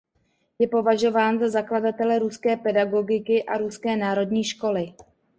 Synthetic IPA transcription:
jɛpo̞vaʒo̞vaːnzazakladat̪ɛlɛɾuskɛːpɛdaɡo̞ɡɪkɪʔaɾuskɛːnaːɾo̞dɲiːʃko̞lɪ

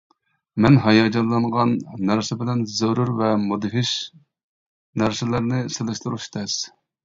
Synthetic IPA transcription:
mɛnɦɑjɑd͡ʒɑnlːˠɑɴʁɑnːæɾsɪbɪlɛnzøɾuɾvɛmod̪ɦɪʃ | næɾsɪlæɾnɪselˠɪʃt̪uɾuʃt̪ʰɛs

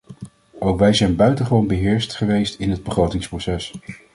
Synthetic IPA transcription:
ʔowkʋɛjzɛjnbœɥtəχəʋownbəɦɪːɹstχəʋejstɪnɦəd̚bəχrowtɪŋsprosɛs

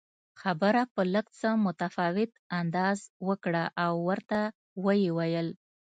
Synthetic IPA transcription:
xabəɾapələkt͡səmʊt̪afɑwɪt̪and̪ɑzwəkɽaʔawːəɾt̪a | wəjewajəl

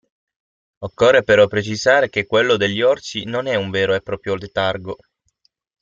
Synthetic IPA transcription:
okːorːepeɾɔpːɾet͡ʃizaːɾek̟ekːwelːod̪eʎːiɔrt͡ʃinonɛuɱveːɾoɛpːɾɔːpɾjod̪et̪arɡo

